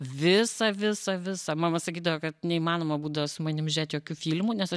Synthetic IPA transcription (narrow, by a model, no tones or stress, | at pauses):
ʋʲɪsɐʋʲɪsɐʋʲɪsɐmɑːmɐsɐkʲiːd̪ɐʋɐkɐt̪nʲɛimɑːnoːmɐbuːd̪ɐʋɐsʊmɐnʲɪmʒʲeːt̪joːkʲuːfʲiːlʲmunʲɛsɐ